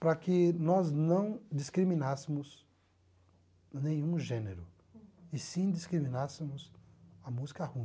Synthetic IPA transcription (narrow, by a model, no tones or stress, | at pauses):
pɾɐkɪnɔznɐ̃w̃d͡ʒ̪iskɾimĩnasɪmʊs | nẽj̃ũʒẽneɾʊ | ɪsĩd̪iskɾimĩnasɪmʊzɐmuzikɐhũ